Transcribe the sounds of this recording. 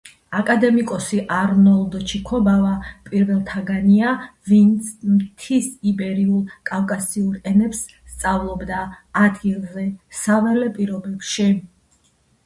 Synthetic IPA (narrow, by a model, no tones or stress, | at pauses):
akʼad̪ɛmikʼɔsiʔaɾnɔlˠd̪ɔt͡ʃʰikʰɔbavapʼiɾvɛlˠt̪ʰaɡaniavint̪sʰmt̪ʰisibɛɾiulˠkʼafkʼasiuɾɛnɛps | st̪sʼavlˠɔbd̪aːd̪ɡilˠzɛsavɛlɛpʼiɾɔbɛbʃi